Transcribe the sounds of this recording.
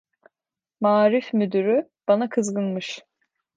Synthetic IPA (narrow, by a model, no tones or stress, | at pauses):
maːɾifmyd̪yɾyb̥anakʰɯzɡɯnmɯʃ